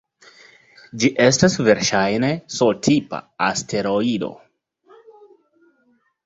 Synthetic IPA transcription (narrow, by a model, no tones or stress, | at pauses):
d͡ʒiʔe̞stasve̞ɾʃajne̞soltʰipa̰astʰe̞ɾo̞ido̞̰